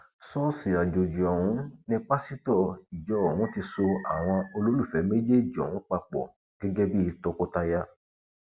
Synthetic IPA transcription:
sɔ˦si˨a˨d͡ʒo˨d͡ʒi˨ɔ˨wũ˨˦nĩ˧k͡pa˦si˦tɔ˦˨i˨d͡ʒɔ˨˦˨wũ˨˦ti˧so˧a˨w̃ɔ̃˧o˧lo˦lu˦˨fɛ˨˦me˦d͡ʒe˦˨d͡ʒɔ̰˨wũ˨˦k͡pa˧k͡pɔ̰˨ | ɡ̥ɛ˦ɡɛ˦bi˦i˧tɔ˧ko˦ta˧ja˧˦

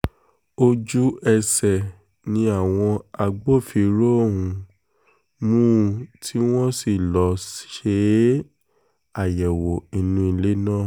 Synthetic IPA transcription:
o˧d͡ʒu˦ɛ˧sɛ˨ | nĩ˧˦a˦˨w̃ɔ̃˧a˧ɡ͡bo˦˨fi˧˨ɾo˦˨ɦũ˧ | mũ˦tʰi˦w̃ɔ̃˦si˨lɔ˨˦sʃe˧˦ | a˨jɛ˨wo˨i˨nũ˧i˧le˦nã˦˨

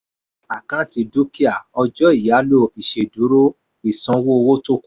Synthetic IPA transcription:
a˨kã˦ti˧do˦ki˦a˨ɔ˧d͡ʒɔ˦i˦˨ja˨˦lo˦˨i˨ʃe˨du˨˦ɾo˦ | i˨sɔ̃˧˦wo˦˧wo˦to˦˨ku˨˦

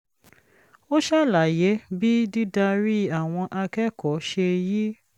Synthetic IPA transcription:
o˦ʃa˦˨la˨je˨˦bi˦di˦da˧ɾi˦a˦˨w̃ɔ̃˧ʔa˧kɛ˦kɔ˨˦ʃe˧ji˦

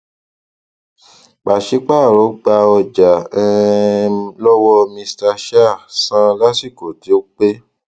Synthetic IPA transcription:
k͡pa˨ʃi˨˦k͡pa˦˨ɾɔ˨˦ɡ͡ba˧ɔ˧d͡ʒa˨ɛ˧ | lɔ˦wɔ˧mĩ˧sta˧ʃa˦˨sã˦la˦si˦˨ko˨ti˨o˦k͡pe˦

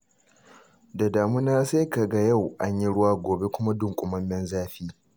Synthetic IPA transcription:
da˨daː˨mu˦naː˦sa˦ka˨ɡa˦ja˦˨wʔa˦ɲji˦ɽʊ˦waː˦ɡʷoː˨be˦kʷʊ˦ma˦dʊ˨ŋkʷʼʊ˨mɐ˦mːɛ˦nzaː˦ɸiː˦

